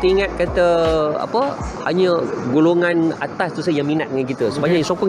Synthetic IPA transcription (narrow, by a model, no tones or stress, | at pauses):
t̪əiŋãt̪̚kat̪əa̰pəhaɲə̃ɡuloŋãnat̪ast̪usajaŋminat̪̚dəŋankit̪əsu̥paɲajsokɔŋ